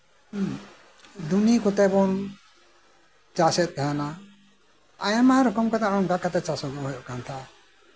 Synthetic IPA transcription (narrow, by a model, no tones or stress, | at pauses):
d̪unikɔt̪ɛbɔn | t͡ʃasɛt̪̚k̪aɦana | ajamaɾɔkɔmkat̪aʔɔŋɡakat̪ɛt͡ʃasɔɡɔɦɔjɔʔkant̪ʰaʔ